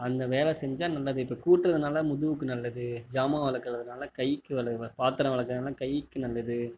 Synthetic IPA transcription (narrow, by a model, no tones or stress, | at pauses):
ɐnd̪ɐʋeːlɛsɛɲd͡ʒaːnɐlːɐðɯɪpːɐkuːʈːɾɐðɯnaːlɐmʊðɯʋɯkːɯnɐlːɐðɯd͡ʒaːmaːʋɐlɐkːɯɾɐðɯnaːlɐkɐjɪkːɯʋɐlɐɐpaːt̪ːɐɾɐ̃ʋɐɭɐkːɯnaːlɐkɐjːɪkːɯnɐlːɐðɯ